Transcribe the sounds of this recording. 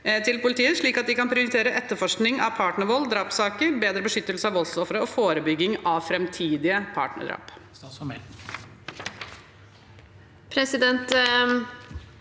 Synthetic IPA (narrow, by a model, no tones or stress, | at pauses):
t̪ʰɪlpʊlɪt̪ʰiːəʂɭiːkɑt̪̚d̪ɪkɑnpʰɾɪʊɾɪt̪ʰeːɾəʔɛt̪ːəɾfɔʂknɪŋɑʋpʰɑːʈɳəɾʋɔlːd̪ɾɑːpsɑːkəɾbeːd̪ɾəbəʂʏt̪ːəlsəɑʋɔlsɔfɾəɔfoːɾəbʏɡːɪŋɑʋfɾɛmt̪ʰiːd̪ɪəpʰɑ̰ːʈɳə̰ɖ̪ɾɑ̰ːp̪ | ɔmɛ | pʰɾɛsɪd̪ɛnt̪